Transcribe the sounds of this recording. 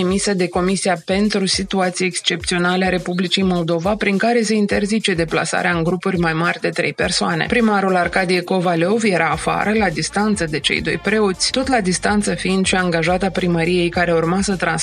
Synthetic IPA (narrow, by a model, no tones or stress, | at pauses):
emised̪e̞ko̞misiape̞nt̪ɾusit̪uat̪sijeekst͡ʃe̞p̚t̪sio̞naleaɾe̞publit͡ʃijmo̞ld̪o̞vapɾiŋkaɾe̞s̬e̞int̪e̞rzit͡ʃe̞d̪e̞pla̰sa̰ɾeaɨŋɡɾupurʲmajmarʲd̪e̞t̪ɾejpersoane̞̰pɾimaɾularkad̪ijeko̞valovje̞ɾaːfa̰ɾəlad̪ist̪ant̪səd̪e̞t͡ʃe̞̰jd̪o̞̰jpɾe̞ot̪sʲt̪o̞t̪lad̪ist̪ant̪səfiind̪ʃiaŋɡaʒat̪apɾiməɾije̞jkaɾe̞urmasət̪ɾan